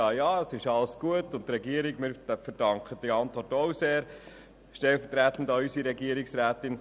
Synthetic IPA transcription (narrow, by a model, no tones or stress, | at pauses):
ɑːjɑːəsɪʃɑləsɡ̥uətʊntːɾɛɡiəɾiɡmɪɾfəɾd̥ɑŋkχəd̥iɑntʋɔɾtoʊseːɾ | ʃtɛlfətɾætn̩dɑysiɾɛɡiəɾɪksɾæːt̪ɪn